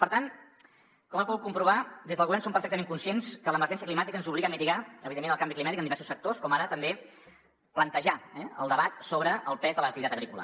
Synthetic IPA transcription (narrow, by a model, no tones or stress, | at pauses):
pəɾt̪an | kɔmapuɣut̪̚kumpɾuβad̪ezðəlˠɣuβɛrnsompəɾfɛk̚t̪əmeŋkunsienskələməɾʒɛnsiəklimat̪ikənzuβliɣəmit̪iɣaəβiðemːenəlˠkambiklimat̪ikənd̪iβɛɾsu̥sək̚t̪oskɔmaɾət̪əmbe | plənt̪əʒaɛəlˠd̪əβat̪soβɾəːlˠpɛzðələk̚t̪it̪at̪əɣɾikula̰